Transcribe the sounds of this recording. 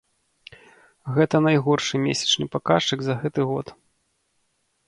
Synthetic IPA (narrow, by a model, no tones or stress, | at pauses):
ɣɛt̪ɐnajɣɔrʂɨmʲesʲɐ̥t͡ʂnɨpakaʂɨɡzɐɣɛt̪ɨɣɔt̪